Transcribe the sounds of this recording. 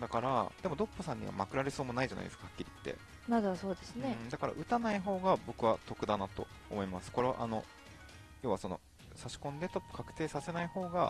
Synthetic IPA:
d̪akaɾa̰d̪̥e̞mo̞d̪o̞pːɯsãɲ̟ːḭβa̰ma̰kɯ̟ɾaɾe̞so̞ːmo̞naiʑa̰na̰ḭd̪esɨ̥kahḁkʲːiɾʲit̪ːe̞̰ | mad̪oβasoːd̪esɨned̪akaɾa̰ʔɯ̟t̪anaiɦo̞ːɡabo̞kɯ̟βat̪o̞kɯ̟d̪anat̪o̞̰ːmo̞imasɨ̥ko̞ɾe̞βa̰ʔa̰no̞ | jo̞ːβaso̞no̞̰ | saɕi̥kõ̞nd̪e̞t̪o̞pːɯ̥kakɯ̟̥t̪e̞ːsase̞naiho̞ːɡa

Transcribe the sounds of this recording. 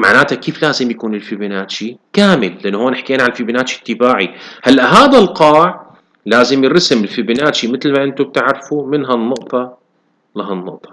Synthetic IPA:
ma̰ʕnaːt̪akiːflaːzɪmjakuːnɪlfɪbɪnaːt̪ʃikaːmɪlːɪʔɪnːhoːnɪħkeːnaʕanlfibnaːt̪ʃi̥t̪ːɪbaːʕihalːaʔɦaːðalqɑːʕ | laːzɪmjɪɾˤɑsɪmɪlfɪbɪnaːt̪ʃimɪt̪lmaʔɪnt̪ʊb̚t̪aʕɾˤfumɪnɦanːʊʔt̪ˤɑ | laɦanːʊ̰ʔt̪ˤɑ̥

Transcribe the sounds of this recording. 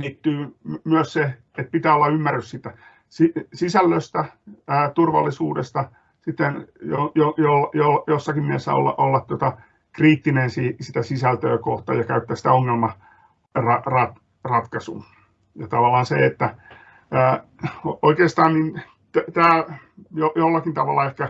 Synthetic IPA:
niːt̪ːyːmyøsse | et̪̚pit̪æːolːɑymːærːyssit̪ːæ | sisisælːøst̪æəːt̪urʋɑ̰lːisuːdest̪ɑ | sit̪ːenjojojolːjolɑjosːɑkimmiesːæ̰o̰lːɑ̰ʔolːɑt̪t̪uŏt̪ɑ | kriːt̪ːinensisit̪æsisælt̪øːkoht̪ɑ̰jɑkæyt̪ːæːsit̪æoŋːelmɑ | rɑrɑt̪ | rɑt̪kɑsṵː | jɑt̪ɑʋɑlˑːɑːnseet̪ːæ | æːooikeːst̪ɑːnnin | t̪æt̪æːjojolːɑkint̪ɑʋɑlːɑehkæ

